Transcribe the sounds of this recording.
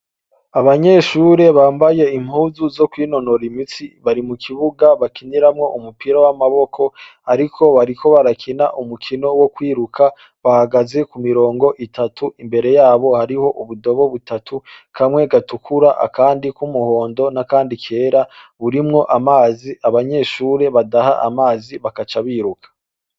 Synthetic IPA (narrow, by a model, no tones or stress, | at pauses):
aβaɲe̞ːʃuɾe̞βaːmbaje̞im̥huzuzo̞kwiːno̞no̞ɾimit͡siβaɾimukʰiβuɡaβakiniɾamŋo̞ʔumupiɾawamaβo̞kʰo̞aɾikʰo̞βaɾikʰo̞βaɾakʰinaʔumukʰino̞wo̞kwiːɾukʰa | βahaɡaze̞kumiɾo̞ːŋɡo̞ʔitatʰuimbe̞ɾe̞jaːβo̞haɾiho̞ʔuβudo̞βo̞βutatʰukʰamŋwe̞ɡatukʰuɾaʔa̰kaːndikumuho̞ːndo̞nakaːndikʰe̞ːɾaβuɾimŋo̞ʔamaːziaβaɲe̞ːʃuːɾe̞βadaha̰ʔa̰maːziβakat͡ʃaβiːɾukʰḁ